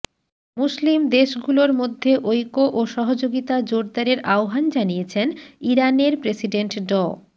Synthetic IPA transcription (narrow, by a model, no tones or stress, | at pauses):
muslimd̪eʃɡuloɾmod̪ʱːeʔojkoʔoʃɔɦod͡ʑoɡit̪ad͡ʑoɾd̪aɾeɾʔaoɦand͡ʑanijet͡ɕʰeniɾaneɾpɾesiɖeɳʈɖɔ